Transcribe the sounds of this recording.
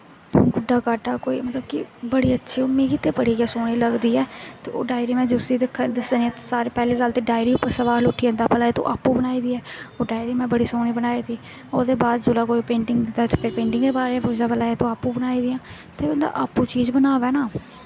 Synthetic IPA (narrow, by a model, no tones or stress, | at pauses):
ɡʊɖaːkaːʈaːkoːḭːmət̪ləbkḭbəɽiːətːʃʰiːʊmĩːkɪt̪eːpəɽiːɡɛːsoːɽ̃iːləɡd̪iːɛːt̪eːo̰ːɖaːɪɾĩːmɛ̃ːd͡ʒʊsiːd̪ekʰːd̪ɪsd̪anĩɛ̃t̪saːɾeːpɛːliːɡəlt̪eːɖaːɪɾĩːʊpːəɾsəʋaːlʊːʈʰiːə̃nd̪aːpəlaːeːt̪õ̰ːʔa̰ːpːũːbənaːiːd̪iːɛːoːɖaːɪɾiːmɛ̃ːbəɽiːsoːñiːbənaːiːd̪iː | oːd̪eːbaːd̪d͡ʒʊlaːkoːipẽːɳʈɪŋɡd̪ɪd̪aɛt̪eːpʰɪɾpẽːɳʈɪŋɡd̪eːbaːɾeːɛ̃pod̪aːpəlaːet̪õːaːpũːbənaːiːd̪ɪjãː | t̪eːɛnd̪a̰ːʔaːpːũːt͡ʃiːzbənaːʋɛːnaː